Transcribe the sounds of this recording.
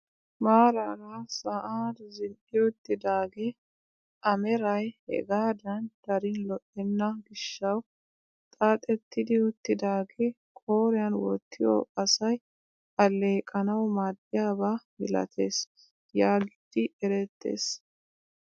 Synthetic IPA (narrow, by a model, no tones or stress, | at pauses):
maːɾaɾaːsɐʔaːɾzɪnʔɪʊt̪ːɪd̪aːɡɛ | ʔɐmɛɾɐjhɛ̰ɡaːd̪ɐnd̪̥ɐɾɪnlɔʔɛnːɐɡɪʃːɐw | t̪ʼaːt̪ʼɛt̪ːɪd̪ɪʊt̪ːɪd̪aːɡe | kʼoːɾɪjɐnwɔ̰t̪ːɪjɔ̰ɐsɐj | ɐlːe̞ːkʼɐnɐwmaːd̪ːɪjaːbaːmɪlɐ̰t̪ʰeːs | jaːɡɪd̪̥ɪʔɛɾɛt̪ːe̞̰ːs